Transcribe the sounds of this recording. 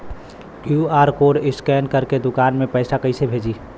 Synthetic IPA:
kjuaːɾkoɾɪskɛnkəɾked̪ʊkanmẽpəɪsakəɪsebʱed͡ʒi

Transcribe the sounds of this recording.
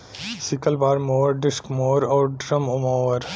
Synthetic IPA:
sɪkəlbaːɾmoːɾɖɪskmoːɾoːɾɖɾɐmumoːəɾ

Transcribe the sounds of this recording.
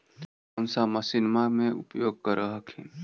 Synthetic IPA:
əmsaməsɪnmamẽʊ̰pjoːɡ̚kəɾəɦəkʰḭ̃

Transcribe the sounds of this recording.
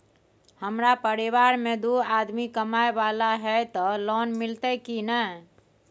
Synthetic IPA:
həmɾapəɾiβaɾmed̪uad̪mikəmaebalaɦɛt̪ɔlɔnmilt̪ɛkinə

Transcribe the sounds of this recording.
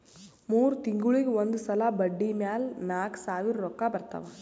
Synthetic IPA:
muːɾut̪iŋɡuɭiɡeond̪usɐlabɐɖːimjaːlnaːksaːʋiɾːɔkːabɐɾt̪ɐ̰ʋa

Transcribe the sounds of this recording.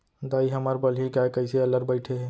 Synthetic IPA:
d̪aːiɦɐmaːɾbɐlɦikaːekɐiseɐləɾbəɪʈʰeɦɛː

